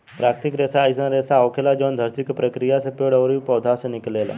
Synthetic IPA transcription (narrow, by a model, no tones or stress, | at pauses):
pɾaːkt̪ɪkɾeːsaisə̃ɾesaoːkʰelad͡ʒoːnd̪ʱəɾt̪ikpɾɐkɾijasepeːɽəʋɾipɔːd̪ʱasenɪkleːla̰